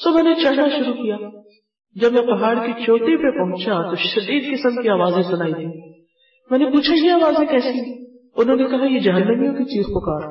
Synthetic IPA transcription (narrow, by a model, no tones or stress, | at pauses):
soːmɛ̃ːnet͡ʃɐɽnaʃʊɾukijaː | d͡ʒɐbmɛ̃pɐɦaːɽkit͡ʃoːt̪ɾipepɐɦʊ̃t͡ʃat̪oʃɐd̪iːd̪̚kɪsəmkiaːʋaːzẽsʊnaːit̪ʰiː | mɛ̃ːnepuːt͡ʃʰajeaːʋaːzẽkɛːsi | ʊnɦõːnekɐɦajed͡ʒɐɦənːəmijõkit͡ʃiːzpɐkaːɾ